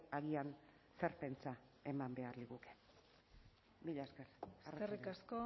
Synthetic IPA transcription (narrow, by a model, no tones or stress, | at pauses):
aɣian | se̞ɾpe̞nt͡sae̞mambe̞aɾliɣuke̥ | miʎaeskeɾesrerikasko